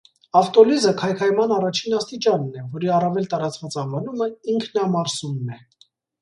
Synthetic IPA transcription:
ɑft̪ɔlizəkʰɑjkʰɑjmɑnɑrɑt͡ʃʰinɑst̪it͡ʃɑnːɛvɔɾiɑrɑvɛlt̪ɑɾɑt͡svɑt͡sɑvɑnuməiŋkʰnɑmɑɾsunːɛ

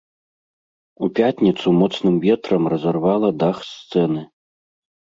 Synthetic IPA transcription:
upʲat̪ʲnʲit̪sumɔt̪snɨmvʲɛt̪ɾɐmrɐzɐrvalˠɐd̪axst̪sɛnɨ

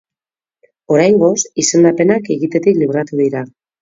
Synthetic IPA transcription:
o̞ɾajŋɡo̞sise̞nd̪ape̞nakeɣit̪e̞t̪ikliβ̞ɾat̪uðiɾa

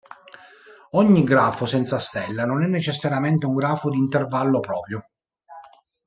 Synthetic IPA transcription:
ɔɲːiɡɾaːfosɛnt̪sast̪ɛlːanonɛnːet͡ʃesːaɾjament̪euŋɡɾaːfod̪iːnt̪ervalːopɾɔːpɾjo

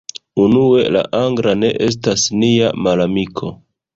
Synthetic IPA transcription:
unue̞la̰ʔaŋɡɾane̞ʔe̞s̬tasniamalamikʰo̞

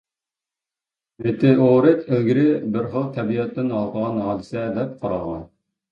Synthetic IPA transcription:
vet̪ɪoɾɪt̪ʰɪlɡʲiɾɪbɪɾχəlˠt̪ʰɛbijɑt̪ːɪnɑlˠqəʁɑnɦɑlɪsɛd̪ɛp̚qʰɑɾɑʁɑ̰

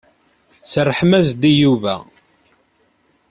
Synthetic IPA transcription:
sərˤːəħmæzd̪ijuvæ̰

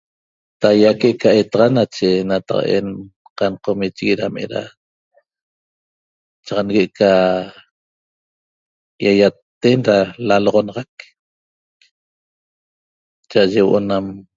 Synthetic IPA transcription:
t̪ajakeʔkaet̪aʁanat͡ʃenat̪a̰qa̰ʔḛn | qanqomit͡ʃɣiɾamḛɾa̰ | t͡ʃɑʁɑnɣeʔkʰa | jajat̪ːenɾalaloʁonɑʁɑk̚ | t͡ʃaʔaʒewoʔonam

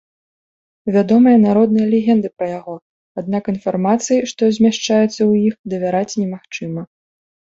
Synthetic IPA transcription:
vʲad̪ɔmɨjɐnaɾɔd̪̚nɨjɐlʲɛɣʲɛnd̪ɨpɾɐjaɣɔ | ad̪nakinfarmat̪sɨjiʂt̪ɔzʲmʲaʂt͡ʂajɛt̪sːɐwjixd̪ɐvʲaɾat͡sʲnʲɛmaxt͡ʂɨmɐ

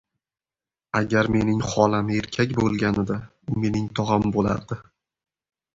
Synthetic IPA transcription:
aɡʲaɾme̞nɪŋχɒlame̞ɾkʲʰakʲbolˠɡʲanɪd̪a | ʊme̞nɪŋt̪ʰɒʁambola̰ɾd̪̥ɪ

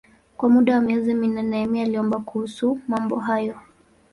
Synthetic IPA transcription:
kwamuɗawamiɛziminnɛnɛɛmialiɔmbakuhusumambɔɦajɔ

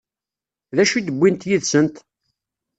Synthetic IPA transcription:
ðæʃud̪əbʷːint̪jiðsənt̪

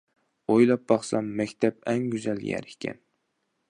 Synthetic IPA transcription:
ojlˠɑp̚bɑχsɑmːækʲt̪ʰapæŋɡʲyzæljæ̰ɾɪkʲʰæ̰n

